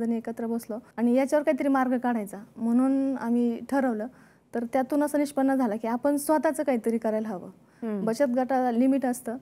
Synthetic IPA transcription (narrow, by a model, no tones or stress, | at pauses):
əniekət̪ɾəbəsloaɽ̃ijat͡ɕjaʋəɾkaɦit̪əɾiːmaɾɡʱkaɽ̤ajt͡sam̤əɽ̃uːna̰m̤iʈʰəɾəʋləː | t̪əɾt̪jat̪uːnəsəniɕpənːəd͡zʱalakiːapəɳsʋət̪at͡səːkaɦit̪əɾiːkəɾajlɦaʋə | bəɕət̪̚ɡʱaʈalimiʈəst̪əː